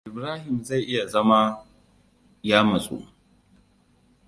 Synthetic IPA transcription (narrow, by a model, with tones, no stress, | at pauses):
ʔɪ˨bɾaː˦hɪ˨mza˦˨jʔɪ˦ja˨zɐ˦ma˦ | jaː˦mɐ˨sʼo̰ː˦˨